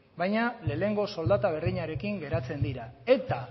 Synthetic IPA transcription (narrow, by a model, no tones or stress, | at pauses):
bajɲale̞ːne̞ŋɡo̞so̞ld̪at̪aβ̞e̞ɾðiɲaɾe̞kiŋɡe̞ɾat͡se̞nd̪iɾae̞t̪a